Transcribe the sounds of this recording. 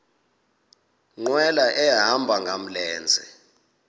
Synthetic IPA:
ŋ͡ǃwɛlaʔɛaɦambʱaŋɡʱam̩lɛːnd͡zʱɛ

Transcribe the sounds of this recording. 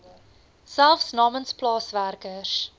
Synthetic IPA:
sælˠfsnɑːmənsplɑːsværkəs

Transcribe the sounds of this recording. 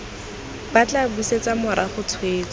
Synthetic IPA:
bat͡ɬabuset͡samʊɾʔaχʊt͡sʰweːt͡sɔ̥

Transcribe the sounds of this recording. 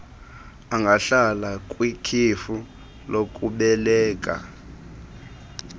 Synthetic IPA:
aŋɡʱaɬalakʼwikʰifu | lokʼuɓɛlɛːk̬ʼa̰

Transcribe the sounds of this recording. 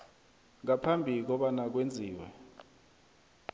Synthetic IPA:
ŋapʰambʱik̬ɔɓanak̬wend͡zʱiːwɛ̰

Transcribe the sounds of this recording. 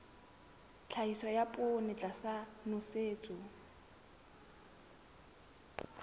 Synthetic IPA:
t͡ɬʰaisajapʼʊnɪt͡ɬʼasanʊseːt͡sʼʊ

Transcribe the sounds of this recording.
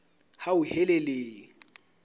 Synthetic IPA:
haʊhɛlɛleːŋ̩

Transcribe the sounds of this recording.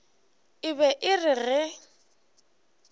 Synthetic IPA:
ɪbɛʔɪrɪrɪ

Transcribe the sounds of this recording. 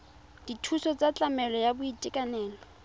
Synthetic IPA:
d̥itʰusɔt͡sʼat͡ɬʼamɛlɔjabʊitʼɪkʼanɛːlɔ

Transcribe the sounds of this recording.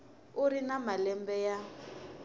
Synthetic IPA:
uɾinamalɛmbɛja

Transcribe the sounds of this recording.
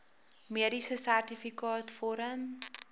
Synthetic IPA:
miəɾisəsærtifikɑːtfɔɾəm

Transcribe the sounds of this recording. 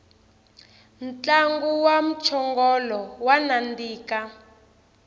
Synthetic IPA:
n̩t͡ɬaŋɡuwam̩t͡ʃʰɔŋɡɔlɔwanandiːka

